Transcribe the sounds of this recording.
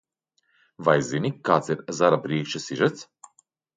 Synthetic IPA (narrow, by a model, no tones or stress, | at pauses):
vajzinʲikːaːt̪siɾzaɾapɾiɛkʃasiʒɛt̪s